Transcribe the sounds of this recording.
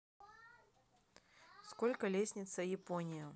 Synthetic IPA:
skolʲkəlʲesʲnʲɪt̪səjɪponʲɪjʊ

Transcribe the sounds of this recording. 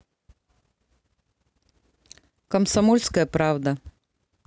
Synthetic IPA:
kɐmsɐmɔlʲskəjəpɾavd̪ɐ

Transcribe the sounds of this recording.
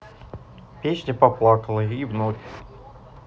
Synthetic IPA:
pʲesʲnʲəpɐplˠakəlˠəivnokʲ

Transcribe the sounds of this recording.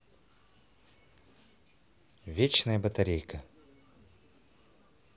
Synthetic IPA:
vʲet͡ɕnəjəbət̪ɐɾʲejkə

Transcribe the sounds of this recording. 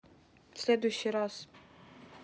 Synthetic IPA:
sʲlʲed̪ujʃiɾaz̥

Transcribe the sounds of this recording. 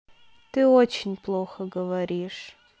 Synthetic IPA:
t̪ɨot͡ʃʰɪnʲplˠoxɐɡəvɐɾʲiʂ

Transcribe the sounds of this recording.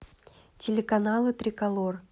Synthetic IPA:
tʲɪlʲɪkɐnalˠɨt̪ɾʲɪkɐlˠor

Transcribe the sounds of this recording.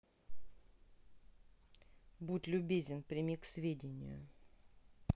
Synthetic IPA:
butʲlʲʊbʲezʲɪnpɾʲɪmʲiksvʲedʲɪnʲɪ̰jʊ̰

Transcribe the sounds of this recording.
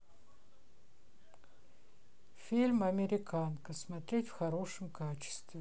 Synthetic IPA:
fʲilʲmɐmʲɪɾʲɪkʰankəsmɐt̪ɾʲetʲfxɐɾo̞ʂɨmkat͡ɕɪ̥st̪vʲɪ

